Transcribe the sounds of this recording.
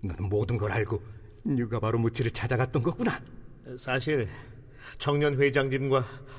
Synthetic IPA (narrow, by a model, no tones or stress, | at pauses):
nʌnɯnmodɯnɡʌɾaɭɡo | ɲuɡabaɾomut͡ɕʰiɾɯɭt͡ɕʰad͡ʑaɡat̚t͈ʌnɡʌk͈una | sʰaɕʰiɭ | t͡ɕʰʌŋɲʌnɸwed͡ʑaŋd͡ʑimɡwa